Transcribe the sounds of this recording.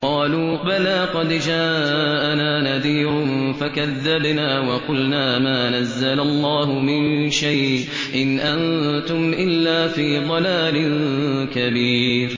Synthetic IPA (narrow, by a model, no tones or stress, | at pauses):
qɑːluːbalaːqɑd̪d͡ʒaːʔanaːnaðiːɾʊnfakaðːabnaːwɑqʊlnaːmaːnazːalalˤːɑːɦʊmɪnʃajʔ | ʔɪnʔant̪ʊmʔɪlːaːfiːd̪ˤɑlaːlɪnkabiːɾ